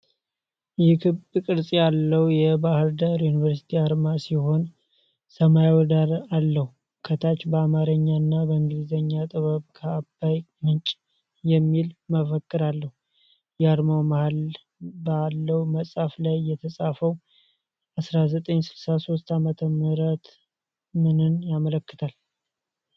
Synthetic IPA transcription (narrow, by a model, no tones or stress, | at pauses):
ɪkʰɨβkʼɨɾsʼijalːəwjɛbahɨɾd̪əɾjunivəɾsi̥t̪ʰiaɾmasiho̞n | səmajawɔd̪aɾalːəhu | kʰət̪ʰat͡ʃbəamaɾəɲːanːabəɨŋɡɨlizəɲːat̪ʼɨβəβkʰəːbaj | mɨnt͡ʃʼ | jɛmːilməfəkʼːɨɾalːəhu | jɛaɾmawmahal | bəalːəwməsʼaflajːɛt̪ʰəsʼafəw | ʔasɾazət̪ʼəɲsɨlsaso̞st̪amət̪ʰəməɾət̪ | mɨnɨnjamələkːɨt̪ʰal